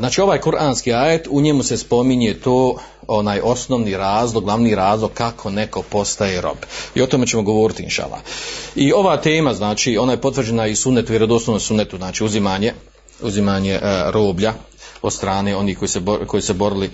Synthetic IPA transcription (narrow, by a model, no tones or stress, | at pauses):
znaːt͡ʃiːo̞ʋaːjkuɾʔaːnskiːaːjet̪uɲemuse̞spo̞miɲet̪oː | onaːjʔo̞snoʋniːɾaːzlˠoɡlˠaʋniːɾaːzlˠo̞ɡ̚kakʰo̞neko̞po̞st̪ajeɾo̞̰bio̞t̪ome̞t͡ɕe̞moɡo̞ʋo̞ːɾit̪iḭnʃa̰lˠa̰io̞ʋaːt̪e̞ːmaznaːt͡ʃiːo̞naːjepo̞t̪ʋr̩d͡ʑenaisunːet̪ueɾed̪uosnoʋnosunːet̪uznaːt͡ʃiːuzimaːɲe̞ | uzimaːɲeɾo̞ːblʎa | od̪st̪ɾaːneːo̞niːhko̞jiseboko̞jisebo̞ɾili